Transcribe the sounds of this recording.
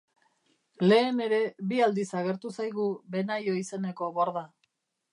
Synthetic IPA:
le̞ːne̞ɾe̞biald̪isaɣ̞e̞ɾt̪usajɣ̞ube̞najo̞ise̞ne̞ko̞βoɾða

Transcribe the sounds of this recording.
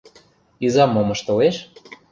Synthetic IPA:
izɑmomɤ̆ʃt̪oleʃ

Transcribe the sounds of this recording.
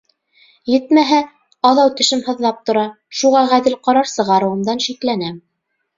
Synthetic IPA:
jɘ̆t̪mæɦæ | ɑðɑwt̪ɵ̆ʃɘmhɤ̆ðlˠɑp̚t̪ŏɾɑ | ʃuʁɑʁæðɘlqɑɾɑɾsɤ̆ʁɑɾɤ̆wɤ̆md̪ɑnʃiklænæm

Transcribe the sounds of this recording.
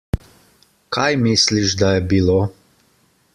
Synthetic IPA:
kʰajmisliʒd̪ajɛbiloː

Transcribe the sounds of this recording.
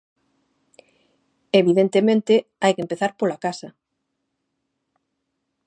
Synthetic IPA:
eβiðent̪emẽnt̪ɪajkempeθaɾpolakasɐ

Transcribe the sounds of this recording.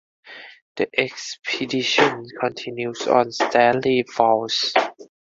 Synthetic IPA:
d̥iʔɛkspʰidiʃɔ̃nkʰɔ̃ntʰĩnjusɔ̰̃nstʰɛlifaws

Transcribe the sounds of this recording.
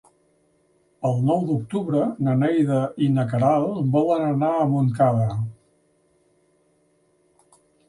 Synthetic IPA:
əlˠnɔwd̪uk̚t̪uβɾənənɛjðəʔinəkəɾalˠbɔlənənaəmuŋkaðə

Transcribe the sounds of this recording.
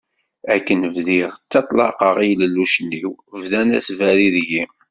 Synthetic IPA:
ækːənəvðiʁt͡sːɑt̪ˤlɑ̰qəʁijləlːuʃənːiwvðænæ̰svæɾiðjim

